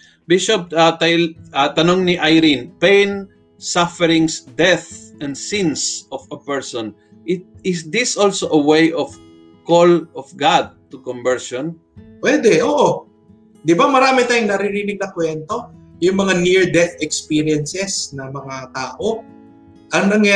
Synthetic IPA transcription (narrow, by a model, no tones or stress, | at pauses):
bɪʃop̚ɐt̪ɐjɐt̪ɐnoŋniʔajɾinpẽjn | safɛɾɪŋsd̪ɛθʔɐnd̪sinsɔfɐpɛɹsɔ̃n | ʔɪt̪̚ɪsd̪ɪsʔolsoʔɐwejʔɔf | kolɔfɡad̪̚t̪ʊkɔmbɛɹʃɔn | pwɛd̪ɛʔoːʔo | d̪ɪbamɐɾaːmɪt̪aːjʊŋnɐɾiɾinɪɡ̚nɐkwɛnt̪o̞ | jʊŋmɐŋaniɹd̪ɛt̪ɛkspiɾɪɛnsɛsnɐmɐŋat̪aːʔo | ʔɐŋnɐŋja